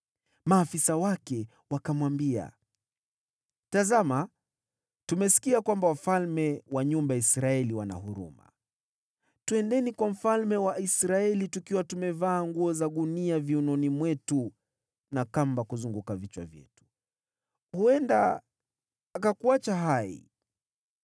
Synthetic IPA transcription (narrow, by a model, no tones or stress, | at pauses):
maːfisawakɛ | wakamwambia̰ | tazama | tumɛsi̥kiakwambawafalmɛwaɲumbaisɾaɛliwana̰huɾṵma̰ | tuɛndɛnikwam̩falmɛwaisɾaɛlitukiwatumɛvaːŋɡuɔzaɠuniaviunɔnimwɛtu | nakambakuzuŋɡukavit͡ʃwa̰vjɛ̰tu̥ | huɛndaː | kakuat͡ʃaɦaḭ